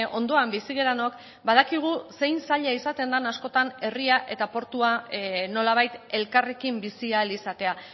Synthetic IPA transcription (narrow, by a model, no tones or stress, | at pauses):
o̞nd̪o̞ambisiɣ̞e̞ɾano̞k | bað̞akiɣ̞use̞jnsaʎaisat̪e̞nd̪anasko̞t̪ane̞riaʔe̞t̪apo̞ɾt̪uano̞laβ̞ajt̪e̞lkare̞kimbisialisat̪e̞a